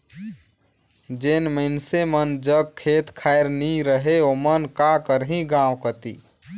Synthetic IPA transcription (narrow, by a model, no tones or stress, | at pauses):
d͡ʒenməɪnsemənd͡ʒəɡ̚kʰet̪kʰaeɾniɾəɦeomənkakəɾɦĩɡãwkət̪ḭ